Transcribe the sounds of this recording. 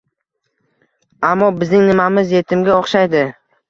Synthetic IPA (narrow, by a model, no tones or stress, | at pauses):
amːɒbɪzɪŋnɪmamɪzje̞t̪ʰɪmɡʲaɒχʃajd̪ɪ